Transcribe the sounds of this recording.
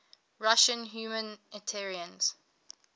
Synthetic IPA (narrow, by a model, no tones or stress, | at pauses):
ɹaʃə̃nɦjuːmə̃nɛtʰɛɹiə̃nz̥